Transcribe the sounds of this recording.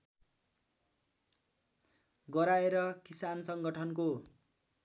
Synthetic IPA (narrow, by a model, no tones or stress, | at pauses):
ɡʌɾaeɾʌkisansʌŋɡʌʈʰʌnko